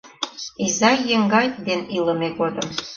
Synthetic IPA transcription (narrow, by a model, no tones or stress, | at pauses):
izɑjĕŋɡɑjd̪enilˠɤ̆mʲeɡod̪ɤ̆ə̆m